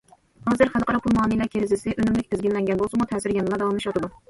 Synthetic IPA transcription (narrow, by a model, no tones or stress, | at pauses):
hɑːzɨɾχælˠqʰɑɾɑpʰulˠmɑːnijlæɾkʲʰeɾɪzɪsɪʔønymlɪk̚ʲpʰɪzɡʲinlɛŋɡʲɛnbolˠsɨmut̪ʰɛːsɪɾjɛnlˠɑd̪ɑwɑmlˠɨʃɑt̪ɨd̪u